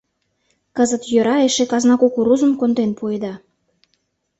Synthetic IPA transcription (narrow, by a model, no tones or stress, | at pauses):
kəzət̪jø̆ɾɑeʃekɑznɑkokuɾuzə̆mkond̪enpued̪ɑ